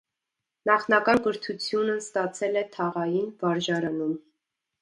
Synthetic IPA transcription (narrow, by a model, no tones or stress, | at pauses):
nɑχnɑkɑnɡəɾt̪ʰut͡sʰjunəst̪ɑt͡sʰɛlɛt̪ʰɑʁɑjinvɑɾʒɑɾɑnum